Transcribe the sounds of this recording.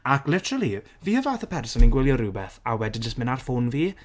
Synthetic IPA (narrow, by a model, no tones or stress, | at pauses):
akʰlɪtəɾəlˠi | viːəvaːθəpʰɛrsɔninɡwɪlˠjɔɾuːbɛθawɛdid͡ʒəstmɪnarfoːnviː